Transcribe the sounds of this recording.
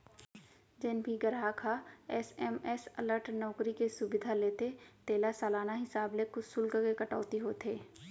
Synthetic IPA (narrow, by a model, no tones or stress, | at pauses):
d͡ʒɪnbʱiɡəɾɦakʰaɛsɛːmɛsɐləɾʈnɔːkɾikesʊbɪd̪ʱaleːt̪et̪eːlasaːlaːnaɦɪsaːblekʊsʊlkəkekɐʈɔ̰ːt̪iɦoːt̪ʰeː